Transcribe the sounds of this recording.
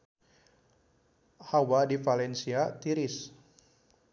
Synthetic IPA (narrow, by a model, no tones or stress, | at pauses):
hawadifalɛnsiat̪iɾis